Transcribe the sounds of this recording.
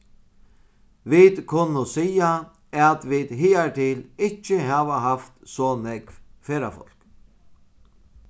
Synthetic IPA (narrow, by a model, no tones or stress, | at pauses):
ʋid̪kʰʊnːʊsiːja | æt̪ʋid̪ɦɪːat̪ʰɪːlɪht͡ʃːəɦaːʋaɦaft̪sɔnɛkvfeːɾafɔ̰l̥k